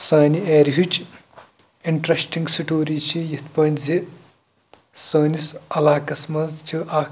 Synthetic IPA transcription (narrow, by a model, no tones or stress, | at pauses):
saːnieːɾɦut͡ʃʰ | iɳʈɾɐsʈiŋɡsiʈoːɾit͡ʃʰijɐt̪pɐnzi | soːnisɐlaːkɐsmɐzt͡ʃʰiʔaː